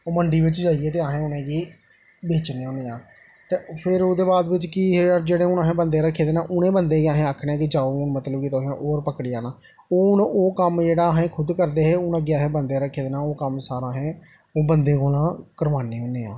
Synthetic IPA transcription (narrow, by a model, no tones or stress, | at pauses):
oːməɳɖiːʋɪt͡ʃd͡ʒaːiːɛːt̪eːaːɦẽːʊnẽːɡiː | beːt͡ʃneːɦõːneːãː | t̪eːpʰɪɾoːd̪eːbaːd̪ʋɪt͡ʃkɪɦd͡ʒeːɽeːʊnãːɦẽːbənd̪eːɾəkʰːeːd̪eːnãːʔʊnẽːbənd̪ẽːɡaːɦẽːaːkʰɽeːãːkɪd͡ʒaːoːnmət̪ləbkit̪oɦãːʔoːɾpəkɽiːaːnaː | oːʊnoːkəmd͡ʒeːɽaːɦẽːkʰʊd̪kəɾd̪eːɦɛːʊnãːɡɪaːɦẽːbənd̪eːɾəkʰːeːd̪eːnaːoːkəmsaːɾãːɦɛ̃ː | oːbənd̪ẽːkoːlãːkəɾʋaːneːɦoːneːa̰ː